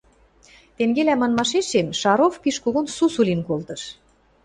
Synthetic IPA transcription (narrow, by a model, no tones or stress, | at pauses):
t̪eŋɡelæmɑnmɑʃeʃemʃɑɾofpiʃkuɣunsusulʲinkolt̪ɤ̆ʃ